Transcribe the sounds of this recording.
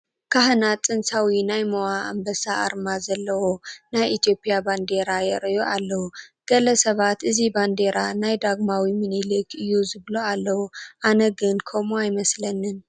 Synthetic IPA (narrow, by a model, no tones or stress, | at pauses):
kʰaɦɨnat͡sʼɨnsawinajmowaʔa̰mbɐsaʔa̰ɾmazɐlːɐwonajʔit̪jo̞pʼjaband̪e̞ɾajɛɾɐjoʔalːɐwuɡ̥ɐlɐsɐβat̪ʔɨziband̪eɾanajd̪aɡmawimɨnilɨkʰɨjːuzɨβlualːɐwuʔanɐɡɨnkʰomuajmɐslɐnːɨn